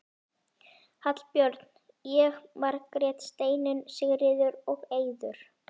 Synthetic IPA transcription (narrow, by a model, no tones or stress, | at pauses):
hat̪lpjœɾt̪n̥ | jɛɣmaɾkɾjɛt̪st̪eːjnʏnsɪɣɾɪðʏɾɔɣeːjðʏɾ̥